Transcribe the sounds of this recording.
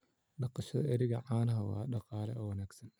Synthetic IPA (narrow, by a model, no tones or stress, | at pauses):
ɖɑqɑʃɐðɐ̰ʔɛɾɪɣɐʕaːlɐɦɐwɑ̰ːɖɑqɑːlɛʔɔwɐnaːɡsɐn